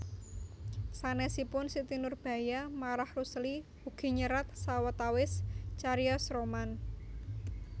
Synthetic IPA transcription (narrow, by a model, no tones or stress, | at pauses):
sanɛsipʊnsit̪inʊrb̥a̤jamaɾahrusli | uɡ̥i̤ɲəɾat̪sawət̪awɪst͡ʃaɾiɔsɾoman